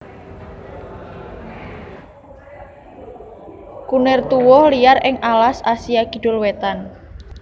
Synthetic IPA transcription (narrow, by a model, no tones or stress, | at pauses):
kunɪrt̪uwɔhliarʔɪŋʔalasasijakiɖ̥ʊlwet̪an